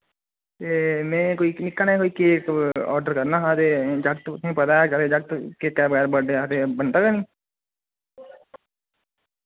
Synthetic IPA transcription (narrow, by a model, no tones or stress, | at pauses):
t̪emẽːkoːinɪkːankoːikekɔ̰ːɾɖəɾkɐɾnaɦat̪ed͡ʒɐɡt̪ẽpɐd̪ad͡ʒat̪ed͡ʒɐɡ̚t̪kekabəɣɛːɾbəɖeat̪ebɐnʈ̪aɡanĩː